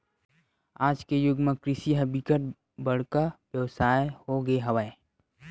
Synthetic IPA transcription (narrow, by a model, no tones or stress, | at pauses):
aːd͡ʒkejʊɡmẽkɾɪʃiɦɐbikəʈ̚ | bəɽkaʋjəʋsaːehoɡeɦɐʋəe